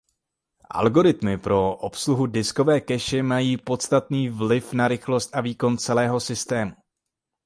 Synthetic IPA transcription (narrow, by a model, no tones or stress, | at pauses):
ʔa̰lɡo̞ɾɪt̪mɪpɾo̞ʔopsluɦudɪsko̞vɛːkɛʃɪmajiːpo̞t̪st̪at̪niːvlɪfnaɾɪxlo̞st̪̚ʔaviːko̞nt͡sɛlɛːɦo̞sɪst̪ɛːmu